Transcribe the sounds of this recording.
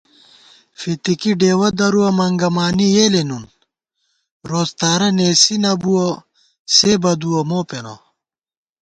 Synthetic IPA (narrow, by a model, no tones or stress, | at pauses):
fit̪ikiɖeːwɐd̪ɐɾuɐmɐŋɡɐmaːnijeːlenun | ɾoːst̪aːɾɐneːsinɐbuɐ | seːbɐd̪uɐmoːpenɐ̰